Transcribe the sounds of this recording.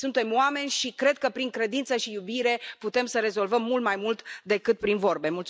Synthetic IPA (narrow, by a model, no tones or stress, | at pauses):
sunt̪e̞mwame̞nʲʃikɾe̞d̪̚kəpɾiŋkɾe̞d̪int̪səʃijubiɾe̞put̪e̞msəɾe̞zo̞lvəmːult̪majmult̪d̪e̞kɨt̪̚pɾinvo̞rbe̞mult̪s